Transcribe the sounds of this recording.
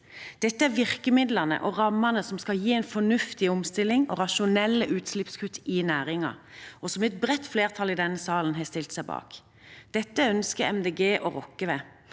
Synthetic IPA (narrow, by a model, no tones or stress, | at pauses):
d̪̥ɛt̪ːəæɾʋɪʁkəmɪd̪lɑnə̰ʔɔʁɑmːənəsɔmskɑljiːɛɪnfɔnʉft̪ɪɔmst̪ɪlɪŋɔʁɑʃʊnɛlːəʔʉːt̪slɪpskʰʉt̪ɪnæːʁɪŋɑ̰ɔsɔmɛt̪̚bʁɛt̪ːfleːʁt̪ʰɑlɪd̪ɛnːəsɑːlən̩ɦɛːst̪ɪlt̪sæɪbɑ̰ːk | d̪̥ɛt̪ːəœnskəɛmd̪eːɡeːʔɔɾɔ̰kːəʋeː